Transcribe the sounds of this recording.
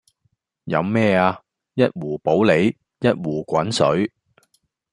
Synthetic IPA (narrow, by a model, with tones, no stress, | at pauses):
jɐ̰˨˧wmɛː˥˩aː˧ | jɐ˥t̚wuː˨˩po˨˥wle˨˧j | jɐ˥t̚wuː˨˩kʷɐ˨˥nsɵ˨˥ɥ